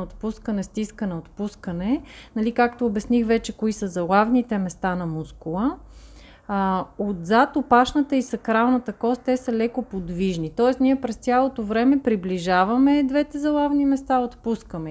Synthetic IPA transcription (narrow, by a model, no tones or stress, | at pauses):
ot̪puskənɛst̪iskənɛot̪puskənɛnɐlikakt̪oːbɛsnixvɛt͡ʃɛkoisəzɐlˠavnit̪ɛmɛst̪anɐmuskulˠə | od̪zat̪opaʃnət̪əisɐkɾalˠnət̪əkɔst̪̚t̪ɛsəlɛkopod̪viʒnit̪ɔɛsniɛpɾɛst̪ʲjalˠot̪ovɾɛmɛpɾibliʒavɐmɛd̪vɛt̪ɛzɐlˠavnimɛst̪aot̪puskəmɛ